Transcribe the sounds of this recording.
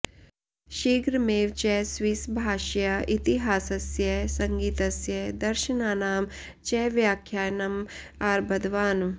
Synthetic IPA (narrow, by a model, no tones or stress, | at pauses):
ʃiːɡɾmeːʋt͡ʃɛɦsʋiːsbʱaːʃjɐit̪iɦaːsɐsjɐsɐ̃ŋɡiːt̪ɐsjɐd̪ɐɾʃənaːnaːm | t͡ʃɛːʋjaːkʰːjaːnɐm | aːɾbɐd̪ʋaːn